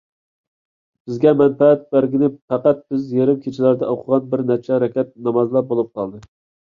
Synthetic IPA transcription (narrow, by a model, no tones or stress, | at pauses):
b̥ɪzɡʲɛmɛnpɛːt̪̚bæɾɡʲinɪpæqæt̪̚b̥ɪzjeɾɪmkʲʰet͡ʃʰilæɾd̪ɛoqʰəʁɑnbɪɾnæt͡ʃʰɛɾɛkʲɛt̪̚nɑmɑzlˠɑp̚bolˠup̚qʰɑlˠd̪ɨ